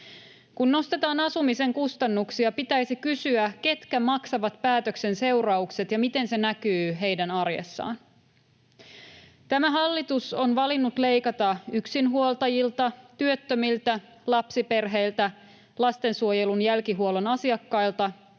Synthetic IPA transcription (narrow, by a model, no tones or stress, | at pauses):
kunːno̞st̪e̞t̪ɑːnɑsumise̞ŋkust̪ɑnːuksiɑpit̪æjsikysyæk̟e̞t̪kæmɑksɑʋɑt̪pæːt̪økse̞nse̞wɾɑukse̞t̪jɑmit̪e̞nse̞nækyːɦe̞jdænɑrjḛsːɑ̰ːn | t̪æmæɦɑlːit̪uso̞nʋɑlinːut̪le̞jkɑt̪ɑyksinɦuolt̪ɑjilt̪ɑt̪yøt̪ːømilt̪æ | lɑpsipe̞rɦe̞jlt̪æ | lɑst̪e̞nsuojelunjælkiɦuolonɑsiɑkːɑjlt̪ɑ